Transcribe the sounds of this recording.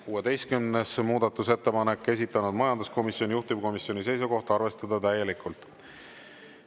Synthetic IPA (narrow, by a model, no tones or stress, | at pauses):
kuːe̞d̪e̞jst̪kymnesmuːd̪ɑt̪ːˑuse̞t̪ːe̞pɑne̞kˑːe̞s̬ʲit̪ːˑɑnud̪̥mɑjɑnd̪usko̞misjo̞nʲijuht̪ibko̞misjo̞nise̞jsuko̞ht̪ɑrve̞st̪ɑd̪̥ɑt̪æje̞likːˑult̪ˑ